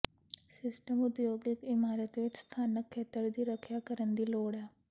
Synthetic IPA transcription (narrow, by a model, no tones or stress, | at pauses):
sɪsʈəmʊd̪joːɡɪkɪmaːɾət̪ʋɪt͡ʃst̪ʰaːnəkʰːeːt̪əɾd̪iːɾəkʰjaːkəɾənd̪iːloːɽɛː